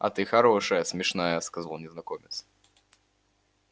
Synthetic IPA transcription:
ɐ̰t̪ɨxɐɾoʂəjəsmʲɪʂnajəskɐzalˠnʲɪznɐkomʲɪt̪s

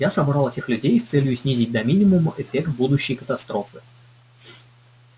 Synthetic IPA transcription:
jasɐbɾalˠɛtʲɪxlʲʉdʲejst̪sɛlʲjʊsʲnʲizʲɪt̚ʲd̪ɐmʲinʲɪmʊməʔɪfʲekt̪̚bud̪ʊɕːɪjkə̥t̪ɐst̪ɾo̞fɨ

